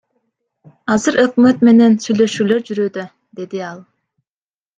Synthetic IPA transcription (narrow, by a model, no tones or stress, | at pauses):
ɑzɯɾʔø̞kmø̞t̪me̞ne̞nsyjlø̞ʃyːlø̞ɾd͡ʒyɾød̪ø | d̪e̞d̪iɑlˠ